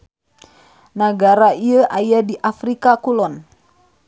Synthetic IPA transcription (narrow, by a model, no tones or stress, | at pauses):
naɡaɾaiəʔajadiʔafɾikakulɔn